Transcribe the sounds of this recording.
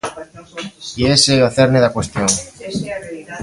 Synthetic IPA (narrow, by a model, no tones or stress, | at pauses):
ieseaθeɾneðakwest̪joŋ